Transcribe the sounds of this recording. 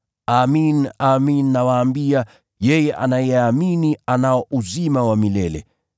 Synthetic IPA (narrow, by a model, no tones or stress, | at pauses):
aminaminːawaːmbia | jɛjɛʔa̰najɛaminianaɔʔuzimawamilɛlɛ̰